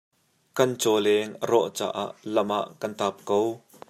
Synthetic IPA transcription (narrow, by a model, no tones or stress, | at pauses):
kɐnt͡sɔlɛŋərɔʔt͡sa̰ːʔa̰ʔlɐmʔaʔkɐnt̪aːp̚kow